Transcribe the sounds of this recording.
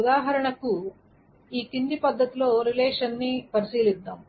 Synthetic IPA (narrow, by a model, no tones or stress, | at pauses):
ud̪aːɦɐɾɐɳɐku | iːt̪ind̪ipɐd̪ʱːɐt̪iloːɾilɛːʂɐnːipɐɾisiːlid̪ːaːm